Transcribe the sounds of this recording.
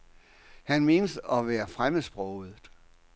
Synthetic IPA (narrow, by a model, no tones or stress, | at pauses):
hænme̝ːnəsɒ̽ʋæːɐfʁamðsb̥ʁɔʊð̩ˠ